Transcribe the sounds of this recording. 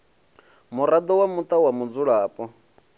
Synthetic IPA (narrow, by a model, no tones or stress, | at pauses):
muɾad̪ɔwamut̪ʼawamud͡zuɺaːpʼɔ